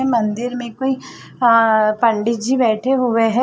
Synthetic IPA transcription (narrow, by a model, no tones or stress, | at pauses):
ɛmɐ̃nd̪ɪɾmẽkoːi | pə̃ɳɖɪd͡ʒibɛːʈʰeɦʊʋeɦɛ